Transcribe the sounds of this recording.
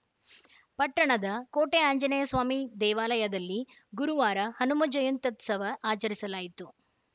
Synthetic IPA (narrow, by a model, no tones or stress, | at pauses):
pɐʈːɐɳɐd̪ɐkoːʈeaːɲd͡ʒɐnejɐsʋaːmid̪ɛːʋaːlɐjɐd̪ɐlːiɡuɾuʋaːɾɐhɐnumɐd͡ʒɐjunt̪ɐt̪sɐʋɐʔaːt͡ʃɐɾisɐlaːjit̪u